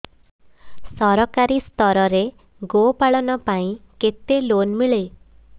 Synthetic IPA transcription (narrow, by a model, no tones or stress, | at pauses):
sɔɾɔkaɾist̪ɔɾɔɾe | ɡopaɭɔnɔpaĩket̪elonmiɭe